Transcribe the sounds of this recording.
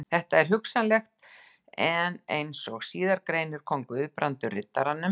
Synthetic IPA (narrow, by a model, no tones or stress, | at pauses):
θɛht̪aɛɾ̥ɦʏksanlɛxt̪ | ɛnejnsɔɣsiːðaɾkɾejnʏɾ̥kʰɔŋkʏʏðpɾʔant̪ʏrɪt̪ːaɾanːʏm